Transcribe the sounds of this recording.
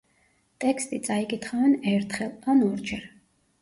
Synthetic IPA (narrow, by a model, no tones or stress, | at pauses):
t̪ʼɛkst̪ʼit̪sʼaikʼit̪ʰχavɛnɛɾt̪ʰχɛlˠanɔɾd͡ʒɛɾ